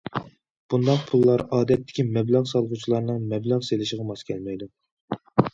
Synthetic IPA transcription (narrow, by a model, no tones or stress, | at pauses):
b̥und̪ɑqpʰulˠːɑɾɑːd̪ɛt̪ʰːɪ̥kʲʰimɛblɑʁsɑlˠʁut͡ʃʰilˠɑɾnɨŋmɛblɑʁselɪʃɪʁɑmɑskʲʰɛlmɛjd̪u